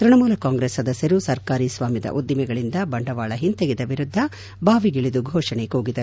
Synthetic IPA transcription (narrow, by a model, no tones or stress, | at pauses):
tɾiɳɐmuːlɐkaːŋɡɾesːɐd̪ɐsjɐɾusɐɾkaːɾiːsʋaːmjɐd̪ɐ̰ʔud̪ːimɛɡɐɭind̪ɐbɐɳɖɐʋaːɭɐɦint̪eɡid̪ɐʋiɾud̪ʱːɐ | bʱaːʋiɡiɭid̪uɡʱɔːʂɐɳekoːɡid̪ɐɾu